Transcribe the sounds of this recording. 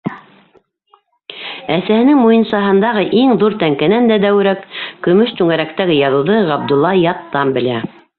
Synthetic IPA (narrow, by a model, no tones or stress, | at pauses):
æsæhɘ̆nɘŋmujɤ̆nsɑɦɤ̆nd̪ɑʁɤʔiŋðuɾt̪æŋkɘ̆nænd̪æd̪æwɘ̆ɾækkɵ̆mɵʃt̪ʉŋæɾækt̪æɡɘjɑðɤ̆wðɤʁɑb̚d̪ulˠːɑjɑt̪ːɑmbɘ̆læ